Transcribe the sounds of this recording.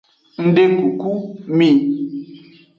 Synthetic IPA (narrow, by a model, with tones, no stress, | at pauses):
n̩˦de˦ku˨ku˦mi˦˨